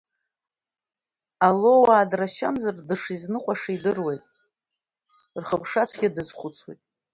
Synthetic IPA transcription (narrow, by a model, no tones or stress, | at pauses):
alo̞waːdraʃa̰mzardɨʂiznɨqʷʼaʂidɨrwe̞jtʼ | rχəpʰʂat͡sʷʰɡʲadɨzχʷʊt͡sʰwḛjtʼ